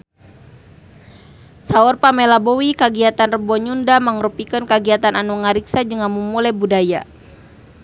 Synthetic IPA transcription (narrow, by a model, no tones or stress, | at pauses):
saɔrpamɛlabɔwikaɡiat̪anrəbɔɲundamaŋrupikənkaɡiat̪ananuŋaɾiksad͡ʒəŋamumulɛbudaja